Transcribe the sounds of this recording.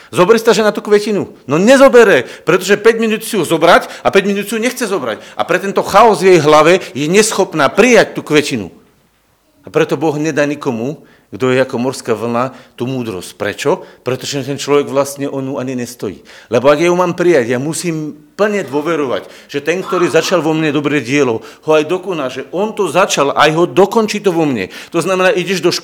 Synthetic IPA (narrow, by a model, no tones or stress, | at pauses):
zɔbɛɾist̪aʒɛnat̪uːkʋɛcinunɔɲɛzɔbɛɾɛpɾɛt̪ɔʒɛpɛɟminuːt̪siuzɔbɾacapɛɟminuːt̪siuɲɛxt͡sɛzɔbɾa̰ca̰pɾɛt̪ɛnt̪ɔxaɔzʋjɛjɦlaʋɛjɛɲɛsxɔpnaːpɾijac̚t̪uːkʋɛcinṵ | apɾɛt̪ɔbɔɣɲɛd̪aːɲikɔmu | ɡd̪ɔjɛakɔmɔɾskaːʋl̩nat̪uːmuːd̪ɾɔ̰scpɾɛ̰t͡ʃɔpɾɛt̪ɔʒɛt̪ɛnt͡ʃlɔʋɛɡʋlast̪ɲɛʔɔnuaɲiɲɛst̪ɔjḭːlɛbɔaɡjaɦumaːmpɾijaɟjamusiːmpl̩ɲɛd̪ʋɔʋɛɾɔʋa̰ɟ | ʒ̥ɛt̪ɛŋk̚t̪ɔɾiːzat͡ʃalʋɔmɲɛd̪ɔbɾɛɟɪɛlɔhɔajd̪ɔkɔnalʒɛʔɔnt̪ɔzat͡ʃalʔajɦɔd̪ɔkɔnt͡ʃiːt̪ɔʋɔmɲɛ̰t̪ɔznamɛnaːʔiɟɛʒd̪ɔʃk